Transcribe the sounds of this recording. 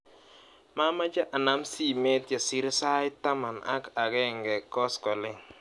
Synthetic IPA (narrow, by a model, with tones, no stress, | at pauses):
ma˦ma˦d͡ʒa˦ʔa˨na˦msi˦˨mɛ˦tja˨si˦ɾsa˦ɪ˦ta˦ma˨na̰˦ka˨ɡɛ˦˨ŋɡɛ˨kɔ˦skɔ˨lɪ˦ŋ